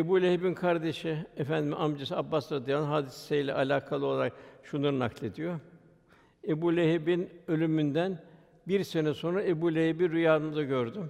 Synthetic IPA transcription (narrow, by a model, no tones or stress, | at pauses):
ebuːlʲehibinkʰaɾd̪e̞ʃiefænd̪imiʔamd͡ʒesabːasɾad̪ijalˠnɦaːd̪issejlʲɛ̰ʔalʲaːkʰalˠɯolˠaɾak̚ʃunaɾɯnaklʲe̞d̪ijo | e̞buːlʲeɦibinø̞lʲymynd̪æn | biɾse̞nɛso̞nɾae̞buːlʲehebiɾyjaːnɯnd̪aɟøɾd̪ym